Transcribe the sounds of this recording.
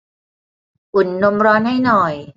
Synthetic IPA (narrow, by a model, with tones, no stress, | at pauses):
ʔu˨˩˦nːo˧mɾɔː˧nha˥˩jnɔ˨˩j